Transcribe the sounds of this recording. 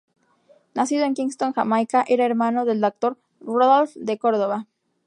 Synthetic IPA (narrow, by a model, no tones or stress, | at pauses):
nasiðo̞e̞ŋkiŋst̪oŋxamajkaʔe̞ɾae̞ɾmano̞ðe̞ld̪ok̚t̪o̞ɾ | roðolfd̪e̞ko̞ɾð̞o̞βa